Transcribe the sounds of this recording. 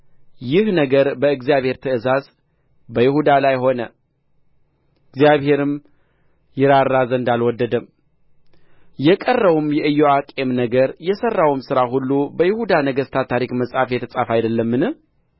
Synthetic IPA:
jɪhnəɡəɾbəɨɡzijaβhe̞ɾt̪ʰɨɨzaz | bəjɪhud̪alajɦo̞nə | ɨɡzjaβhe̞ɾɨm | jɪɾarːazəɨnd̪alwɔd̪ːəd̪əm | jɛkʼərːəβumjɛʔɨjːoakʼemnəɡəɾjɛsərːawumsɨɾaɦulːubəjɪhud̪anəɡəst̪ʰat̪ʰaɾikməsʼafjɛt̪ʰəsʼafajd̪əlːəmːɨnɨ

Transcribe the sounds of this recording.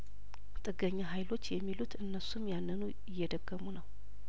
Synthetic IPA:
t̪ʼɨɡəɲːaɦajlo̞t͡ʃːjɛmːilut̪ʰɨnːəsumjanːɨnu | ɪjːɛd̪əɡ̥ːəmunəw

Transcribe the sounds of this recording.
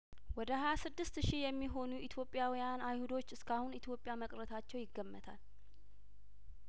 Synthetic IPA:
wɔd̪əhajasɨd̪ːɨst̪ʃijɛmːiɦo̞nuʔit̪ʰjo̞pʼːjawijanajhud̪o̞t͡ʃːɨskʰahunit̪ʰjo̞pʼːɪjaməkʼɾət̪ʰat͡ʃːɛwjɪɡːəmːət̪ʰa̰l

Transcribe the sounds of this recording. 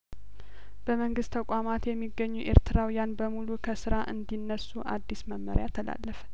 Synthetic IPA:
b̥əməŋɡɨst̪ʰəkʷʼamat̪jɛmːiɡːəɲːuʔeɾt̪ʰɨɾawijanbəmulukʰəsɨɾaʔɨnd̪inːəsːuʔa̰d̪ːisməmːəɾjat̪ʰːəla̰lːəfə̥

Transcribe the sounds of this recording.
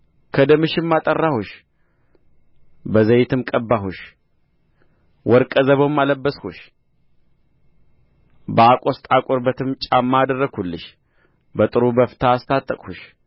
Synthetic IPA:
kʰəd̪əmɨʃɪmːat̪ʼərːahuʃ | bəzəjɪt̪ʰɨmkʼəbːaɦuʃ | wɔɾkʼəzəβomːaləbːəshuʃ | bəakʼost̪ʼakʼoɾbət̪ʰɨmt͡ʃʼamːad̪ərːəɡʰulːɨʃ | bət̪ʼɨɾubəft̪ʰaːst̪ʰat̪ʼːəkʼhuʃ

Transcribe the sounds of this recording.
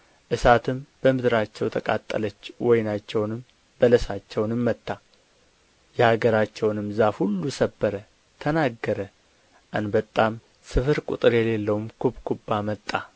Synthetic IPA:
ʔɨsat̪ʰɨmb̥əmɨd̪ɨɾat͡ʃːɛwt̪ʰəkʼa̰t̪ʼːə̰lət͡ʃːwɔjnat͡ʃːɛwnɨm | bələsat͡ʃːɛwnɨmːət̪ʼːa | jɛhaɡəɾat͡ʃːɛwnɨmzahulːusəbːəɾə | t̪ʰənaɡːəɾə | ʔanbət̪ʼːam | sɨfɨɾkʷʼṵt̪ʼɨɾjɛlelːəwumkʰubkʰubːamət̪ʼːa

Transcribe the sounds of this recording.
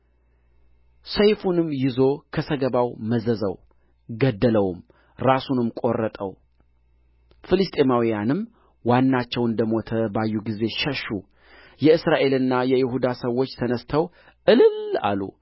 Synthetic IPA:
səjfunɨmːjɪzo̞kʰəsəɡəβawməzəzə̰w | ɡəd̪ːələwm | ɾasunɨmkʼo̞rːət̪ʼə̰w | fɨlɨst̪ʼe̞mawijanɨm | wanːat͡ʃːɛwɨnd̪əmo̞t̪ʰəbajːuɡize̞ʃəʃu | jɛɨsɾaʔe̞lɨnːajɛjɪɦud̪asəwːo̞t͡ʃːt̪ʰənəst̪ʰəw | ʔɨlɨla̰lṵ

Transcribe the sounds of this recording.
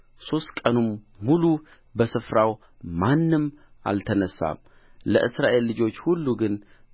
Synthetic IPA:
so̞st̪kʼənum | mulu | bəsɨfɾaw | manːɨmʔa̰lt̪ʰənəsːa̰m | lə̰ʔɨsɾaʔe̞lːɨd͡ʒo̞t͡ʃːhulːuɡɨn

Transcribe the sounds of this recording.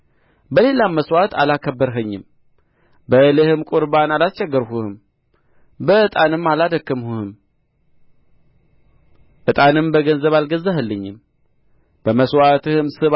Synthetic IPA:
bəle̞lamːəswat̪ʰalakʰəbːəɾɦəɲːɪm | bəɨlɨhɨmkʼʊɾbanalast͡ʃɛɡːəɾhuhɨm | bəɨt̪ʼanɨmːalad̪əkːɨmhuhɨm | ʔɨt̪ʼanɨmbəɡənzəβalɡəzːahɨlːəɲːɪm | b̥əməswat̪ʰɨhɨmsɨβ

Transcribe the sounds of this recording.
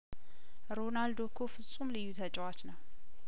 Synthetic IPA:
ɾonald̪okʰofɨsʼumlɨjːut̪ʰət͡ʃʼwat͡ʃnəw

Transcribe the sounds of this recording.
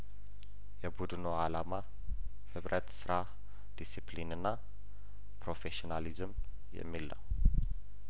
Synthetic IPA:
jɛbud̪ɨno̞alama | hɨβɾʔət̪sɨɾa | d̪̥isiplinɨnːa | pɾo̞feʃonalizɨm | jɛ̰mːilːə̰w

